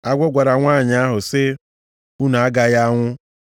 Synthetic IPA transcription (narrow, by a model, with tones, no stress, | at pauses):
a˦ɡʷɔ˦ɡʷa˨ɾa˨ŋʷaː˦˨ɲ˨a˦ɦʊ˨sɪ˦ | u˦na˨a˦ɡa˦ja˦ŋʷʊ˦